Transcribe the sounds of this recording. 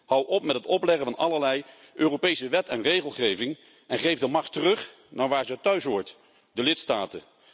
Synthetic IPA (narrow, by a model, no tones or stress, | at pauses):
hɑwʔɔpmɛtɦətɔplɛχəvɑnɑləɹlɛj | ʔøːrowpejsəʋɛtɛnrejχəlˠχejvɪŋ | ɛnχejvdəmɑχtərɵχ | naːɹʋaːɹzəətœɥsʋɔɹt | dəlɪtstaːtə